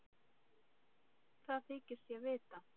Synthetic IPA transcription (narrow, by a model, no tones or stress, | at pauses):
θaðθɪːcɪ̥sjɛvɪːt̪a